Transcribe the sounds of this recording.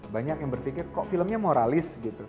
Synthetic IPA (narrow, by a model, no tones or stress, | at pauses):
baɲak̚jaŋbərfikɪrkɔʔfiləmɲamoɾalɪsɡit̪u